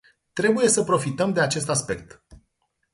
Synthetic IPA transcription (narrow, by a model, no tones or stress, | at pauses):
t̪ɾe̞buje̞səpɾo̞fit̪əmd̪e̞at͡ʃe̞st̪aspe̞k̚t̪